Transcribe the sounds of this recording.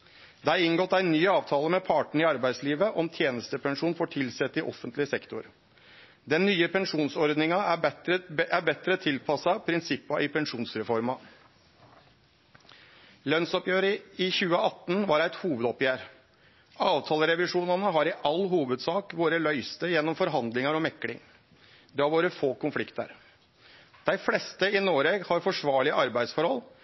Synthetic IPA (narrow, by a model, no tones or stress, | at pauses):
d̪æɪnɡɔt̪ːæɪnyːɑːʋt̪ʰɑːləmɛpʰɑːʈɳ̩ɪɑɾbæɪd̪sliːʋəʔɔmt̪ʰjeːnəst̪əpʰɛŋʂuːnfɔːʈʰɪlsɛt̪ːɪʔɔ̰fənt̪lɪsɛkt̪ʊɾ | d̪ɛnːyːəpʰɛŋʂuːnsɔɾd̪nɪŋɑæɛɾəæbɛt̪ɾət̪ʰɪlpʰɑsɑpʰɾɪnsɪpːɑʔɪpʰɛnʂuːnsɾɛfɔɾmɑ | lœnsɔpjøːɾəɪçʉːəʔɑt̪ːn̩ʋɑːɾæɪt̪huːʋəd̪ɔpjæːɾ | ɑːʋt̪ʰɑːləɾɛʋɪʂuːnɑnəɦɑɾɪʔɑlːɦuːʋəd̪sɑːkʋoːɾəlœʏst̪əjɛnːɔmfɔɾɦɑnd̪lɪŋɑɾɔmɛkːlɪ̰ŋ | d̪ɛhɑɾʋoːɾəfoːkʊnflɪkt̪ə̰ɾ | d̪̥æɪflɛst̪əɪnoːɾeɡhɑɾfɔʂʋɑːɭɪəʔɑɾbæɪd̪sfɔɾhɔl